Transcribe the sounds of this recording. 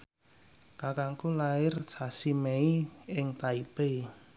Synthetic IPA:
kakaŋkulaɪrsasimeiɪŋt̪aipe

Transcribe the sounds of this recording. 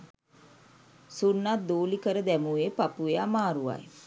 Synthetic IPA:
sunːat̪̚d̪oːlikəɾəd̪æmueːpapueamaːɾuʋa̰j

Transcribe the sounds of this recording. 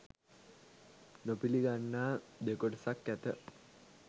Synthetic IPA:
nopiliɡanːaːd̪ekoʈəsakːæt̪ə

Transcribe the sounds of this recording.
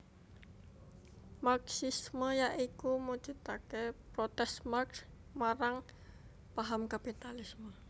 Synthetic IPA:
maksisməjaʔikumud̥d͡ʒ̥ut̪akepɾot̪ɛsmaks | maɾaŋ | paɦamkapit̪alɪsmə

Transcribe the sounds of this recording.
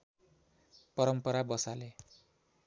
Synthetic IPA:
pʌɾʌmpʌɾabʌsale

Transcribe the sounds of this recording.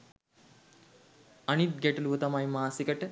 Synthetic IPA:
ɐnit̪̚ɡæʈuluʋət̪amajmaːsikəʈə

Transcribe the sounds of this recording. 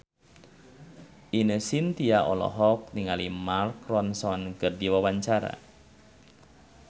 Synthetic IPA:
ʔinəsint̪iaʔɔ̰lɔ̰ɦɔk̚niŋalimarkrɔnsɔnkərdiwawaɲt͡ʃaɾa̰

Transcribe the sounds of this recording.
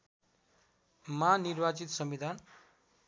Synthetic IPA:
manirbat͡sit̪sʌmbid̪ʱan

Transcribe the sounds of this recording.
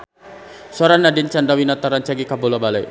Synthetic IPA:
saɾanːadint͡ʃandawinat̪aɾant͡ʃaɡikabolabalaj

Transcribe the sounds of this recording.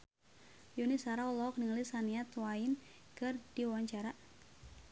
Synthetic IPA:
junisaɾawlɔɔk̚niŋlisaniat̪wain | kɨrdiuwaɲt͡ʃaɾa

